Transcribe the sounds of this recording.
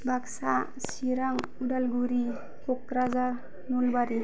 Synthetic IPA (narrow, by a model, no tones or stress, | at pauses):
baksa | siɾaŋ | uɖalɡuɾi | kɔkɾazaɾ | nulbaɾi